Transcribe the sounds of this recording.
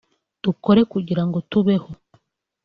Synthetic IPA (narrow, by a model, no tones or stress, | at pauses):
d̥uko̞ɾe̞kuɟiɾaŋɡo̞tuβe̞ho̞